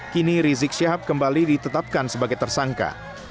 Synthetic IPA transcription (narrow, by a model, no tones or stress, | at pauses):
kiniɾizɪk̚ʃiɦap̚kəmbalidit̪ət̪ap̚kansəbaɡajt̪ərsaŋka̰